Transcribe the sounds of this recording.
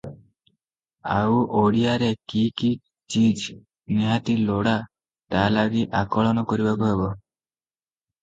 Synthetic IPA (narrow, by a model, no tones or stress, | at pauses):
a̰wʔoɽiaɾekiki | t͡ʃid͡ʒ | niɦat̪iloɽa | t̪alaɡiʔakɔɭɔnɔkɔɾibakuɦebɔ